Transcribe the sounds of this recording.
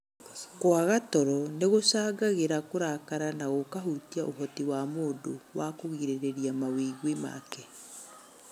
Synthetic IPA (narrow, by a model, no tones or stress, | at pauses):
kwaɣatɔɾɔneɣosaːɡaɣeɾakoɾakaɾanaɣokaɦutiaʔoɦɔtiwamoːdowakoɣiɾeɾeɾiamawiɣwema̰kɛ